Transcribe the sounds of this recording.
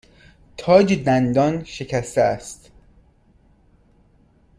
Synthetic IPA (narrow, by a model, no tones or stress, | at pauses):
t̪ʰɒːd͡ʒed̪ænd̪ɒːnʃe̞cʰæst̪eæst̪